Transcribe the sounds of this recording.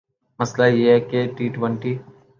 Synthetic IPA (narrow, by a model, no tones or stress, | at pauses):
məslajeːɦɛkeʈiːʈʋəɳʈiː